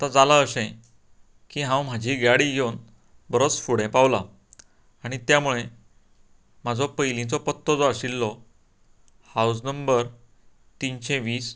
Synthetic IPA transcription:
at̪ad͡zalaəsẽ | kiːɦãwm̤ad͡ʑʱiːɡaɽiɡʱewn | bəɾot͡sfuɽ̤ẽpawla | aɽ̃it̪jamuɭe | m̤ad͡zʱɔpəjlĩt͡sɔpət̪ːɔd͡zɔaɕilːɔ | haws̬nəmbəɾ | t̪inɕẽʋiːs

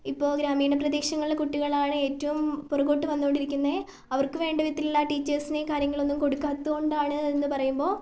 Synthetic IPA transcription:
ipːo̞ːɡɾaːmiːɳɐprɐðiːkʂɐŋːɐɭilekuʈːiɣɐɭaːɳɨe̞ːtːɐʋumporɐɣo̞ːʈːɨʋɐnːuoɳɖiɾikʲːunːɐðe | ɐʋɐrkɨʋe̞ːɳɖɐʋit̪ːililːaʈiːt͡ɕːɐrsinekaːɾjɐŋːɐɭo̞nːumko̞ɽukːaːt̪ːuɣoɳɖaːɳɨenːɨpɐrɐjumbo̞ː

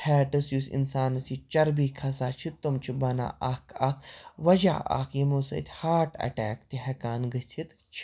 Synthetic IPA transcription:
hʰɛːʈɨsjusḭnsaːnɐsit͡ʃɐɾbikʰɐsaːt͡ʃʰit̪ːumt͡ʃʰibɐna̰ːʔakat̪ʰʋɐd͡ʒa̰ːa̰ːkjimosɐ̰t̪ʰʲhaːʈɐ̰ʈɛːkt̪iɦɛkaːnɡət̪ʰit̪ | t͡ʃʰ

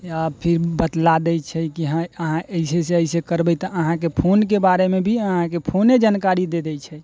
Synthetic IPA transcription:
japʰiɾbət̪lad̪ɛt͡ʃʰɛkiɦãəɦãəɪseseəɪsekəɾbɛjt̪ɔʔəɦãkepʰonkebaɾemebʱiəɦãkepʰoned͡ʒankaɾid̪ed̪ɛt͡ʃʰɛ

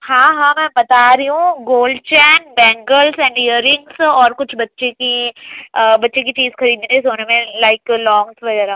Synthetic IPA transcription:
hãːɦãːmɛ̃ːbɐt̪aɾiɦũɡoːlɖt͡ʃɛːnbɛ̃ːŋɡəlsɛ̃ːɳɖijəɾɪ̃ŋɡsɔːɾkʊt͡ʃʰbɐtːʃekiəbɐtːʃek̬it͡ʃiːzxɐɾiːd̪esoːnemẽlaɪklɔ̃ːŋsʋɐɡɛːɾa

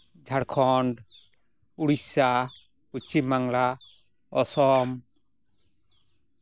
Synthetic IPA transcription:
d͡ʒʱaɽkʰɔɳɖ | uɽisa | put͡ʃʰimaŋla | ɔsɔm

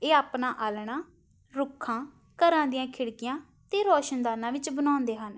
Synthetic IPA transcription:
eːaːpnãːʔaːlɳãː | ɾʊkʰːãː | kəɾãːd̪ɪjãːkʰɪɽkɪjãː | t̪eːɾɔːʃənd̪aːnãːʋɪt͡ʃbənãːnd̪eːɦən

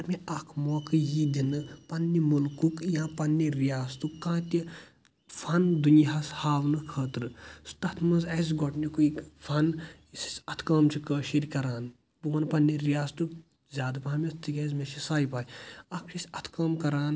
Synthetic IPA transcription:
ɐɾmʲiɐkʰmoːkʰɨjid̪ʲinɨpɐnːimulkukjãːpɐnːiɾijaːst̪ukkːãːt̪i | fʰɐnd̪unjɦɐshaːʋnɨkʰɐːt̪ɾɨst̪ɐt̪ʰmɐzɛz̬ɡɔʈnikuikfʰɐn | si̥sʲɐt̪ʰkɐːmt͡ʃʰikəːʃiɾʲkɐɾaːn | puɐnpɐnːiɾijaːst̪uk | zʲaːd̪paːmʲist̪ʰikʲɛzmeʃisaːjpaːjɐkʰt͡ʃʰisʲɐt̪ʰkɐːmkɐɾaːn

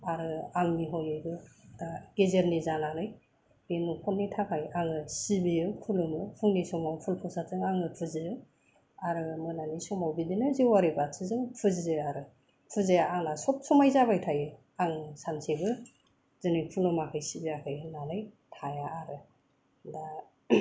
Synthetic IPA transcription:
aɾɯaŋniɦɔjɯjɡɯaɡ̥ezeɾnizanalɯj | benupʰɔnːitʰakʰajaŋɯsibijɯpʰulɯmɯpʰuŋnisɔmawpʰulpʰɔsazɯŋaŋɯpʰɯzɯɯ | aɾɯmɯnanisɔmawbidinɯziwaɾebasʰizɯŋpʰɯzizɯaɾɯ | pʰɯzejaaŋlasɔp̚sɔmajzabajtʰajɯ | aŋsansebɯ | z̥ɯnipʰulumakʰɯjsibiakʰɯjnalɯj | tʰajaaɾɯ | da

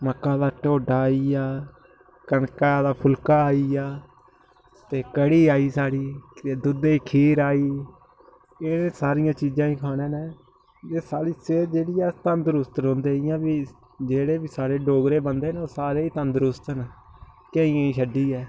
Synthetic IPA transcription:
məkːãːd̪aːʈoːɖaːiːaː | kənkaːd̪aːpʰʊlkaːaːiːjaː | t̪eːkəɽiːaːiːsaːɽiːeːd̪ʊd̪eːkʰiːɾaːiː | ɪneːsaːɾɪjãːt͡ʃiːd͡ʒãːĩːkʰaːnẽːneː | d͡ʒeːsaːɽiːseːd͡ʒeːɽɪjaːt̪ənd̪ɾʊst̪ɾɦõːnd̪eːɪjãːbiː | d͡ʒeːɽeːbiːsaːɾeːɖoːɡɾeːbənd̪eːnoːsaːɾeːiːt̪ənd̪ɾʊst̪ən | kəĩãːiːʃəɖiːɛː

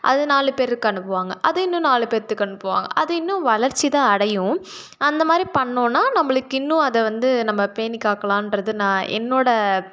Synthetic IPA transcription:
ʔɐ̰ðɯnaːlɯpeːɾɯkːɐɳɯpːɯʋaːŋɡɐʔɐðɐɪnːʊ̃naːlɯpeːɾt̪ːɯkːɐɳɯpːɯʋa̰ːŋɡɐ̰ʔɐðɯɪnːʊ̃ʋɐlɐɾt͡ʃːit̪ãːɐɽɐjʊ̃ | ɐnd̪ɐmaːd̪ɾipɐɳːõːnːaːnɐmːɐɭɯkːɪnːʊ̃ɐðɛʋɐnd̪ɯnɐmːɐpeːnɪkːaːkɐɭãːɪnrɐðɯnãːɛ̰nːoːɽɐ

